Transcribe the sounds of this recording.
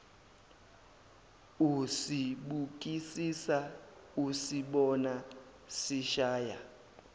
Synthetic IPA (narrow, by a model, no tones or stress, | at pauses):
usiɓuk̬ʼisisausiɓɔna | siʃaːja̰